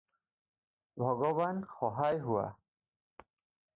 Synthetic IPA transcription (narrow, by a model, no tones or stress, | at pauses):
bʱɔɡɔbanxɔɦajɦuwa̰